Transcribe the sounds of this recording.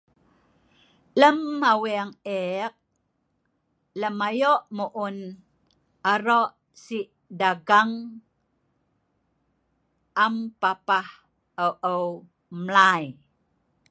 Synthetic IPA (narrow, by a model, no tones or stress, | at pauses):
ləmːawiaŋek̚ | ləmajoʔmuʔun | aɾoʔ | siʔ | daɡaŋ | ʔampapah | əwʔəw | mlaj